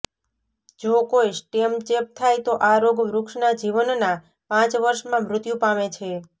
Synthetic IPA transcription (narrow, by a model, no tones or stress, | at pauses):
d͡ʒokojsʈemt͡ʃep̚t̪ʰajt̪oʔaɾoɡʋɾʊkʂnad͡ʒiʋənna | pãt͡ʃʋəɾʃmãmɾʊt̪jũpamet͡ʃʰe